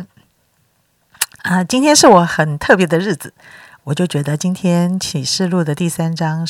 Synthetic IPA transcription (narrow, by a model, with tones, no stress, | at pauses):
ə˧t͡ɕi˥nt̪ʰjɛ˥nʂɻ̩˥˩wɔ˨˧˥xə˨˩nt̪ʰɤ˥˩pjɛ˧˥d̪ə˧ɻɻ̩˥˩d͡zɹ̩˩wɔ˨˩t͡ɕjo˥˩ʊt͡ɕɥɛ˧˥d̪ə˧t͡ɕi˥nt̪ʰjɛ˥nt͡ɕʰi˨˩ʂɻ̩˥˧lu˥˩d̪ə˩t̪i˥˩sa˥nʈ͡ʂɑ˥ŋ